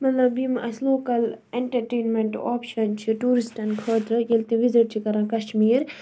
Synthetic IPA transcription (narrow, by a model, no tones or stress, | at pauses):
mɐt̪lɐbimʔɐsloːkɐleɳʈɐɾʈeːnmeɳʈoːpʃɐnt͡ʃʰiʈuːɾisʈɐnkʰəːt̪ɾɨjelt̪ĩʋiziʈ̚t͡ʃʰikɐɾãːkɐʃmiːɾ